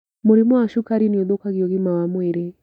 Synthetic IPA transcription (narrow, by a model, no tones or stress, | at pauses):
muɾimuaʃukaɾiniɔd̪ɔkaɣiɔɣimawamwɛɾɛ